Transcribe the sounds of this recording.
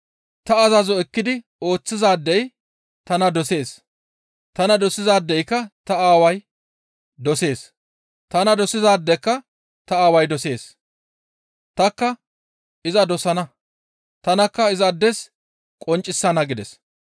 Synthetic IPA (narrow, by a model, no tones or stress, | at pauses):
t̪ɐːzɐzɔɛkːɪd̪ɪ | o̞ːt͡sːɪzaːd̪ːɛj | t̪ɐnɐd̪ɔse̞ːs | t̪ɐnɐd̪ɔsɪzaːd̪ːɛjkːɐt̪ɐaːwɐj | d̪ɔse̞ːs | t̪ɐnɐd̪ɔsɪzaːd̪ːɛkːɐ | t̪ɐaːwɐjd̪ɔse̞ːs | t̪ɐkːɐ | ɪzɐd̪ɔsɐnɐ | t̪ɐnɐkːɐɪzɐd̪ːɛs | kʼɔnt͡ʃʼːɪsːɐnɐɡɪd̪ɛs